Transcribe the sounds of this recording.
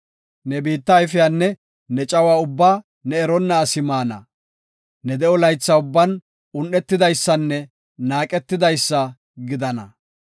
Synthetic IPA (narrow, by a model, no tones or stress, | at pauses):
nɛbiːt̪ːɐɪfɪjaːnːɛ | nɛt͡ʃʼɐwaːʊbːaː | nɛɛɾɔnːɐːsɪmaːnɐ̰ | nɛd̪ɛɔlɐjt͡sːɐʊbːɐn | ʊnʔɛt̪ːɪd̪ɐjsːɐnːɛ | naːkʼɛt̪ːɪd̪ɐjsːɐ | ɡɪd̪ɐnɐ̰